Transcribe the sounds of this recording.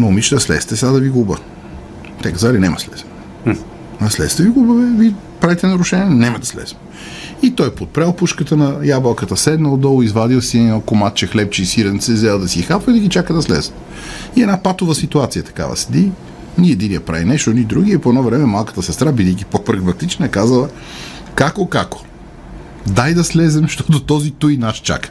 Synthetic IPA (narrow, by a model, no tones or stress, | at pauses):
nomit͡ʃd̪əslɛ̰st̪ɛsad̪ɐviɡubə | t̪ɛkazalinɛmɐ̰slɛs | ɐslɛ̰st̪ɛviɡubəvɛvi | pɾavit̪ɛnɐɾʊʃɛnʲiɛnɛməd̪ɐslɛ̰smɛ | it̪ɔjpot̪̚pɾɛlˠpuʃkət̪ənɐjablˠəkət̪əsɛd̪nəlˠd̪ɔlˠoizvad̪ilˠsinɔkomat̪̚t͡ʃɛxlɛp̚t͡ʃɛisiɾənt̪sɛzɛlˠd̪ɐsixapvəid̪ɐɡʲit͡ʃakəd̪ɐslɛ̰z | iɛd̪napat̪ʊvəsit̪uat̪sijət̪ɐ̥ka̰və̰sɛ̥d̪i | niɛd̪iniəpɾa̰vinɛʃt̪onid̪ɾuɡʲiɛpoɛnɔvɾɛmɛmalˠkə̥t̪əsɛst̪ɾabid̪ɛk̟ipopɾɐɡmɐt̪it͡ʃnəɛkazəlˠə | kakokako̥ | d̪ajd̪ɐslɛzɛmʃt̪ɔt̪ot̪ɔzit̪ujnaʃt͡ʃa̰kə̥